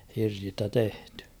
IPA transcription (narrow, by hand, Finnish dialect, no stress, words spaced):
hirsistæ tehtẙ